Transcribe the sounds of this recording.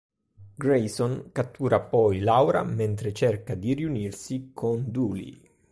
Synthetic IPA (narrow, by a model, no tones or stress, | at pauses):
ɡɾejsonkat̪ːuːɾapɔjlawɾa̰ment̪ɾet͡ʃɛrkad̪iriunirsikʰond̪uːlḭ